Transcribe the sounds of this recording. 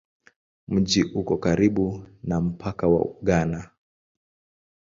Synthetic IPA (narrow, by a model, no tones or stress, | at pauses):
m̩ʄiʔukɔkaɾiɓunam̩pʰakawa̰ɠana